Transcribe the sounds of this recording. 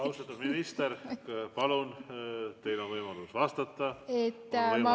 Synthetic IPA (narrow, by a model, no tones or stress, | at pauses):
ɑust̪ɑt̪ːud̪minist̪erpɑlunt̪e̞jlonvɤjmɑlusvɑst̪ɑt̪ːɑet̪ːmɑ